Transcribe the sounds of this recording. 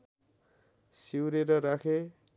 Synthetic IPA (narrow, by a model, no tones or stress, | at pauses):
siwɾeɾʌɾakʰe